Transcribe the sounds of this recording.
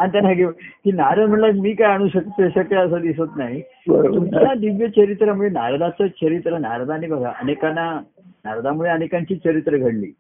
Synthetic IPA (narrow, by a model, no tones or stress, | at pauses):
aɽ̃it̪anaɡeʋkiːnaɾəd̪m̤əɳlakmiːkajaɽ̃uːɕək̚t̪əɕəkaəsəd̪isət̪naɦi | əutjad̪iʋjət͡ɕəɾit̪ɾamuɭena̰ɾad̪at͡sət͡ɕəɾit̪ɾəna̰ɾad̪anibʱəɡʱa̰ʔə̰nekana | na̰ɾad̪amuɭeənekãɲt͡ɕiːt͡ɕəɾit̪ɾəɡʱəɽlḭː